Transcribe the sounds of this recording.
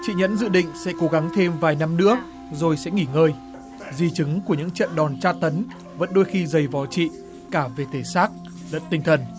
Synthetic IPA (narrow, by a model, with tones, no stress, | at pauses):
t͡ɕḭ˧˨ɲə̰˧˥nzɨ̰˧˨ɗḭ̈˧˨ŋ̟sɛ̰˧˥ko˨˦ɣa˨˦ŋt̪ʰe˧mvaː˨˩jna˧mnɨ̰˧˥ə | zo˨˩jsɛ̰˧˥ŋi˧˩ŋəː˧j | zi˨˩t͡ɕɨ˨˦ŋku˧˩əɲɨ̰˧˥ŋt͡ɕə̰˧˨nɗɔ˨˩nt͡ɕaː˧t̪ə˨˦n | və̰˧˥nɗo˧jxi˧zə˨˩jvɔ˨˩t͡ɕḭ˧˨ | kaː˧˩ve˨˩t̪ʰe˧˩saː˦˥k̚ | lə̰˧˥nt̪ï˧ŋ̟t̪ʰə˨˩n